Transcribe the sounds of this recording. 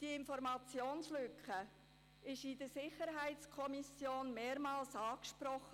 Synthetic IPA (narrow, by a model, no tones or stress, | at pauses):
d̥iɪnfɔɾmɑt͡sjoːnslʏkχə | ɪʃɪdəsɪχəɾɦæɪt͡skʰɔmisjoːnmeːɾmɑːlsɑːkʃpɾɔχə